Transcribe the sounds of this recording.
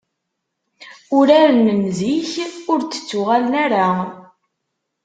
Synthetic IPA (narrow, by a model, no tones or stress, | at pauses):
ʊɾaɾənːəmziçʊɾt͡sːə̥t͡sːʊʁalnæɾa